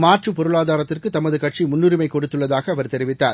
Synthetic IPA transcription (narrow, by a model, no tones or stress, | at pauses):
maːʈrɯpɔɾɯɭaːðaːɾɐt̪ːɪrkɯt̪ːɐmɐðɯkɐʈt͡ʃimʊnːʊɾɪmɐɪkɔɽɯt̪ːɯɭːɐðaːɣɐːʋɐɾt̪ɛɾɪʋɪt̪ːa̰ːɾ